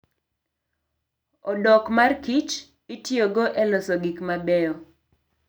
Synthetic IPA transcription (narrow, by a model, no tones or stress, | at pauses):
ɔdɔkmarkit͡ʃ | itjoɡoʔɛlosɔɡikmabɛɔ